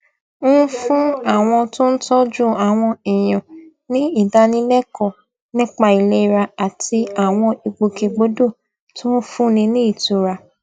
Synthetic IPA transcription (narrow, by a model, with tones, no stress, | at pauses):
u˦fũ˦a˦˨w̃ɔ̃˧tõ˦n̩˦tɔ˦d͡ʒu˦a˨w̃ɔ̃˧ɛ˨j̃ɔ̃˨ | nĩ˦i˦˨da˧nĩ˦lɛ˦kɔ˦˨ | nĩ˦k͡pa˧i˨le˦i˧ɾa˧a˨ti˧a˨w̃ɔ̃˧i˨ɡ͡bo˧ke˧ɡ͡bo˨˦do˦˨ | tõ˦fũ˦nĩ˧nĩ˦i˦˨tu˨ɾa˧